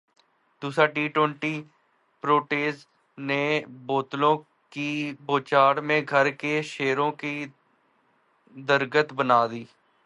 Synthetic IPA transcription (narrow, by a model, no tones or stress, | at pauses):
d̪uːsɾaːʈiːʈwə̃ɳʈiː | pɾoːʈeːs | neːboːt̪lõː | kiboːt͡ʃaːɽmẽːɡʱəɾkeʃeːɾõːki | d̪əɾɡət̪bənaːd̪iː